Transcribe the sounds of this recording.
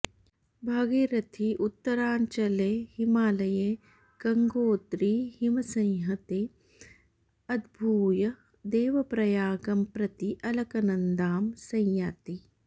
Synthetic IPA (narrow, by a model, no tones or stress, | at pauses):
bʱɐɡeːɾɐt̪ʰiʔut̪ːɐɾaːɲt͡ʃɐleːhimaːlɐjeː | ɡ̥ɐŋɡoːt̪ɾihimɐsɐ̃jɦɐt̪eː | ɐd̪ʱbʱuːjɐ | d̪eːʋɐpɾɐjaːɡɐmpɾɐt̪iʔɐlɐkɐnɐnd̪aːmsɐ̃jjaːt̪i